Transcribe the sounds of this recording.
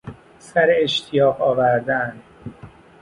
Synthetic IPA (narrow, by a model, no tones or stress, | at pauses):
sæɾeeʃt̪ʰijɒːɢɒːvæɾd̪æn